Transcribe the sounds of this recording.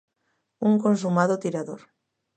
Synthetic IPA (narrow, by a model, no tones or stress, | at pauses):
uŋkons̬umaðot̪iɾaðoɾ